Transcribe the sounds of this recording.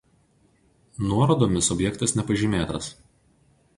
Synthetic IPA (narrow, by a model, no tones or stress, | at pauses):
nuɔɾoːd̪oːmʲɪsɔbʲjɛkt̪ɐsnʲɛpɐʒʲiːmʲeːt̪ɐs